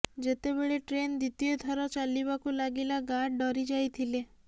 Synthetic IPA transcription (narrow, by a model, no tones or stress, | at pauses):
d͡ʑet̪ebeɭeʈɾend̪it̪ijed̪ʱʰɔɾɔt͡ʃalːibakũlaɡilaɡaɖɖɔɾid͡ʒajt̪ʰile